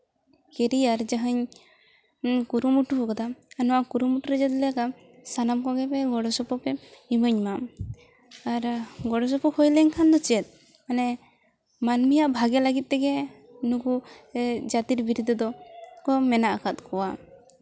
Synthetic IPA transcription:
kɛɾiaɾd͡ʒaɦaɲ | kuɾumuʈuɔkɔd̪aːnɔwakuɾumuʈuɾɛd͡ʒɛt̪lɛaka | sanamkɔɡɛpɛɡɔɽɔsɔpɔpɛiməɲma | aɾɡɔɽɔsɔpɔkʰɔjləɲkʰand̪ɔt͡ʃiɛt̪̚ˀ | anɛ | manmijaʔbʱaɡɛlaɡit̪̚ˀt̪ɛɡɛ | nuku | d͡ʒat̪iɾbiɾud̪ɔd̪ɔkɔmɛnaʔakat̪̚kʰɔwa

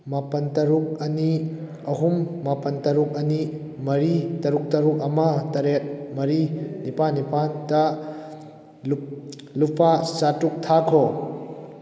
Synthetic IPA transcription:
mapɐntɐɾuk̚ɐni | ɐɦumːapɐntɐɾuk̚ɐni | mɐɾitɐɾuk̚tɐɾuk̚ɐmɐtɐɾet̚mɐɾinipanːipandɐ | lupʰasatuk̚tʰakʰo

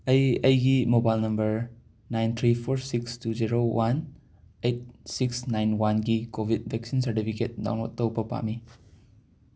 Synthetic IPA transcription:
ɐjəjɡimobajlnɐmbəɾ | najnt̪ʰɾipʰoɾsikstuziɾowʔan | ejt̚siksnajnwanɡikobʱid̚bɛk̚sinsəɾtipʰiket̚da̰wnɔ̰t̚tːəwbɐpa̰mi

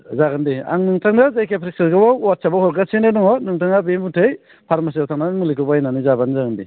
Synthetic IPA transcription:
zaɡandia̰ŋnɯŋtʰaŋdazajkepʰɾisɯɾɡɯbawat̚sʰabahɔɾɡasʰenanɔŋɔnɯŋtʰaŋabemutʰɯj | pʰaɾmas̬iawtʰaŋnamɯlikʰɯbajnanizabanzaɡandi

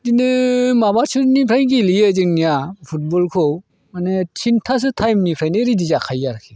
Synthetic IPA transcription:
dinɯmabasʰuɾnipʰɾajɡilijɯzɯŋnijapʰut̚bɔlkʰow | manet͡ʃʰintʰas̬ɯtʰajmnipʰɾajnɯɾidizakʰajaɾkʰi

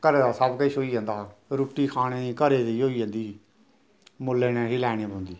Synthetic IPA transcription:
kəɾeːd̪aːsabkəiʃoːiːɦãːnd̪aːɾuːʈːiːkʰaːɽ̃eːkəɾeːd̪iːoːiːd͡ʒ̃nd̪iː | mʊlːeːnɛːɦiːlɛːɽ̃ẽːbõːnd̪iː

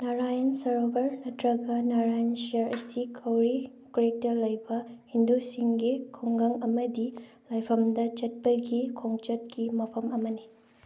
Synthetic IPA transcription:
naɾajɐnsɐɾobɐɾnɐtɾɐɡɐnaɾajɐnsijɐɾʔɐsikʰɐwɾi | kɾek̚tɐlɐjbɐhindusiŋɡikʰoŋɡɐŋɐmɐdi | lajpʰɐmdɐt͡ʃɐt̚pɐɡikʰoŋt͡ʃɐt̚kimɐpʰɐmɐmɐni

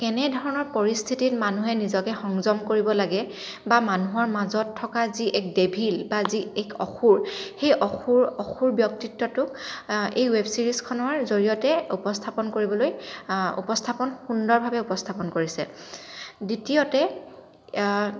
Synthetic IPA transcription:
kɛnɛdʱɔɹɔnɔɹpoɹist̪ʰititmanuɦɛnizɔkɛxɔŋzɔmkoɹibɔlaɡɛ | bamanuɦɔɹmazɔtʰːɔkaziʔɛk̚debʱilbaziɛkɔ̰xuɹxejʔɔxuɹɔxuɹbjɔk̚titːɔtʊk̚ejwebsiɹiskʰɔnɔɹzoɹijɔtɛupɔstʰapɔnkoɹibɔlojṵpɔstʰapɔnxundɔɹbʱabɛupɔstʰapɔnkoɹisɛ̰ | ditiɔtɛ

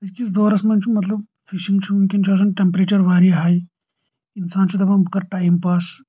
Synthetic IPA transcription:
ɐskisd̪oːɾɐsmɐnt͡ʃʰumɐt̪lɐb | fiʃĩŋɡt͡ʃʰunkint͡ʃʰos̬ɐnʈempɾeːt͡ʃɐɾʋaːɾiɦaːj | ɪnsaːnt͡ʃʰut̪ɐbɐkɐɾʈaːjmpaːs

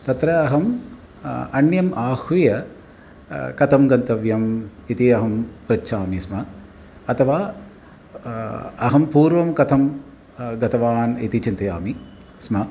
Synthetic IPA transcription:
t̪ɐt̪ɾɐːɦɐm | ɐnjɐmʔaːhʋijɐ | kɐt̪ʰɐmɡɐnt̪ɐʋjɐmit̪iɐɦɐmpɾɐt͡ʃːʃʰaːmismɐ | ɐt̪ʰɐʋaː | ɐɦɐmpuːɾʋɐmkɐt̪ʰɐm | ɡɐt̪ɐʋaːnḭt̪it͡ʃint̪ɐjaːmi | smɐ

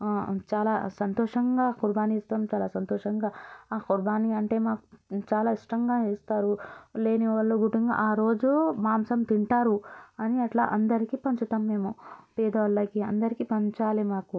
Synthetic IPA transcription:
t͡ʃaːlaːsɐnt̪ɔːʂɐŋɡaːkuɾbaːnist̪aːmt͡ʃaːlaːsɐnt̪ɔːʂɐŋɡaːkuɾbaːniɐɳʈe̞ːmaːku̥t͡ʃaːlaːiʂʈɐŋɡaːt͡ʃeːst̪aːɾule̞ːniʋɐɭːoːɡuʈiŋɡa̰ʔaːɾo̞ːd͡ʒumaːmsɐmt̪iɳʈaːɾuɐniɐʈla̰ːʔɐnd̪ɐɾikipɐɲt͡ʃut̪aːmːe̞ːmupɛːd̪ɐʋɐlːɐkiɐnd̪ɐɾikipɐɲt͡ʃaːlimaːku

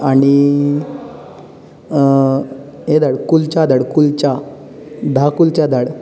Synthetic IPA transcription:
aɽ̃i | ɦed̪ʱaɽkult͡ɕad̪aɽkult͡ɕa | d̪ʱakult͡ɕjad̪ʱaɽ

